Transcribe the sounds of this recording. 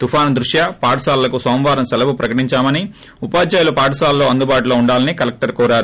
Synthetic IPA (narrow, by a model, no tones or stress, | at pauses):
t̪upʰaːnd̪ɾuʂjapaːʈɐsaːllɐkusoːmʋaːɾɐmsɐlɐpupɾɐkɐʈiɲt͡ʃaːmɐni | upaːd͡ʒaːjlupaːʈɐsaːllo̞ːɐnd̪ubaːʈuloːuɳɖaːlɐnikɐlɐk̚ʈɐɾkɔːɾaːɾu